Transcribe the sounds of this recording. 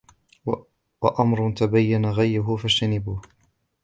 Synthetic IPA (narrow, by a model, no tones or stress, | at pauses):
waʔamɾˤʊt̪abajːanaɣajɾʊɦʊfad͡ʒt̪anɪbuːh